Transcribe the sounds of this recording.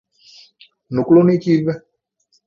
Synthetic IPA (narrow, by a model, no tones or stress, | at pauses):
nukulonikiβe